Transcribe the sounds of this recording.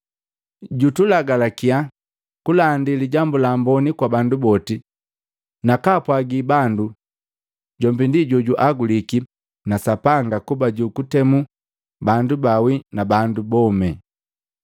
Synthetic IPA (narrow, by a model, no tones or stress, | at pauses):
ɟutulaɡalakia | kulandiliɟambulambɔnikwabandubɔti | nakapwaɡibandu | ɟɔmbindiɟɔɟuʔaɡuliki | nasapaŋɡakubaɟukutɛmu | bandubawinabandubɔmɛ